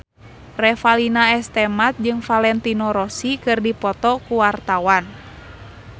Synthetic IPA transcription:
rɛfalinaɛst̪ɛmat̪̚d͡ʒɨŋfalɛnt̪inɔɾɔsikɨrdipɔt̪ɔkuwart̪awan

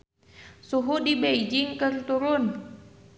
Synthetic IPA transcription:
suɦudibeid͡ʒiŋkərt̪uɾʊn

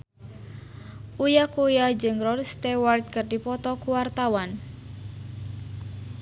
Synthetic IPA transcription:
ʔujakujad͡ʒɨŋrɔlist̪ɛwart̪̚kɨrdipɔt̪ɔkuwart̪awan

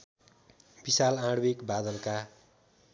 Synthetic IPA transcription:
b̥isalãɽwekbad̪ʌlka

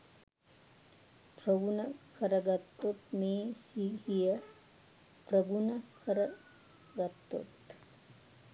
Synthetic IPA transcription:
pɾɐɡunɐkɐɾɐɡɐt̪ːot̪meːsihijɐ | pɾɐɡunɐkʰɐɾɐ | ɡɐt̪ːo̰t̪

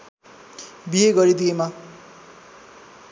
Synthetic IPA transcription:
bijeɡʌɾid̪iema

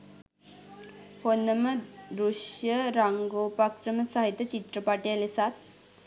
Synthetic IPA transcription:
honːəməɾuʂjəɾaŋɡopakɾəməsaɦit̪jət͡ɕit̪ɾəpaʈealesat̪̚

